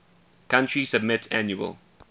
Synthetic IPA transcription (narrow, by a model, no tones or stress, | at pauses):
kʰãntɹisəbmɪtsæ̃njuə̰lˠ